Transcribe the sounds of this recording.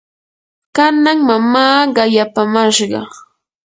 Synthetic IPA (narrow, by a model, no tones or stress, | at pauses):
kanaŋmamaːɢɑjapamaʃɢɑ̰